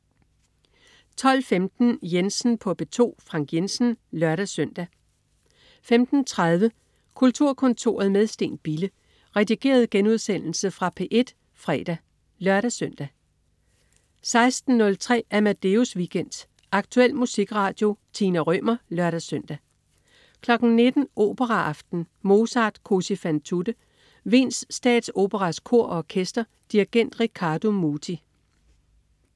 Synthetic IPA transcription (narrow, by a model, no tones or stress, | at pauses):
t͡sʰɒ̽l̰femd̥n̩jensn̩pʰɒ̽b̥e̝t͡sʰo̝̰ːfʁɑ̈ŋ̰ɡ̥jensn̩lɶɐɾ̥æsœn̰d̥æ | femd̥n̩t͡sʰʁað̞ˠʋə | kʰult͡sʰuɐ̰kʰɔ̽nt͡sʰo̝̰ɐð̞̩ˠmeð̞ˠsd̥e̝̰ːnb̥ilə | ʁɛd̥iɡ̥e̝̰ːɐð̞ˠɡ̥enuð̞ˠsen̰l̩səfʁɑ̈pʰeʔe̝d̥ | fʁɛ̰ːd̥æ | lɶɐɾ̥æsøn̰d̥æ | sɑ̈ɪsd̥n̩ːɔ̽lt͡sʰʁɛ̰ːæɐmæd̥e̝usʋiɡ̥en̰d̥ | ɑ̈ɡ̥t͡sʰuel̰musiɡ̥ʁɑ̈ːd̥jo̝t͡sʰiːnæʁœmɐlɶɐɾæsøn̰d̥æ | kʰlɒ̽ɡ̥n̩ne̝d̥n̩ʔo̝̰ːb̥əʁɑʔɑ̈fd̥n̩mo̝ːsɑ̈ːd̥kʰo̝sifænt͡sʰud̥ə | ʋḭːnsːd̥ɛ̰ːd̥so̝ːb̥əʁɑskʰo̝ɐ̰ɒkʰesd̥ɐ | d̥iʁiɡ̥en̰d̥ʁikʰɑ̈ːd̥o̝muːt͡sʰi